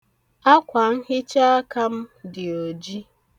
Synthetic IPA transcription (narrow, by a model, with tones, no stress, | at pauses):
a˦kʷa˨ŋ̩˦ɦɪ˦t͡ʃa˦ka˦m̩˦dɪ˨o˨d͡ʒi˦